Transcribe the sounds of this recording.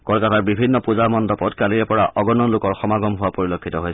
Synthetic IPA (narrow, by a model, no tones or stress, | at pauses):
kɔlkataɹbibʱinːɔpuzamɔndɔpɔdkaliɛpɔɹaʔɔɡɔnɔlʊkɔɹxɔmaɡɔmɦʊwapoɹilokʰːitɔɦojs